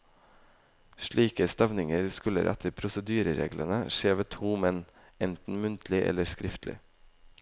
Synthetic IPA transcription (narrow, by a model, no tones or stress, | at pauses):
ʃɭiːkəst̪ɑʋnɪŋəɾskʉlə̰ɾʔɛt̪ʰəɾpʰɾʊsəd̪yːɾəɾḛːɡlʔənəʃeːʋət̪ʰuːmɛn | ɛnt̪n̩mʉnt̪ʰlɪʔɛ̰ləskɾɪft̪ʰlɪ̰